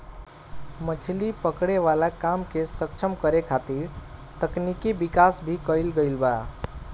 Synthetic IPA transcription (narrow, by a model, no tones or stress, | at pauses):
mət͡ʃʰlipəkɽeʋalakamkesəkt͡ʃʰəmkəɾekʰat̪iɾt̪əknikibikasbʱikəjlɡəjlba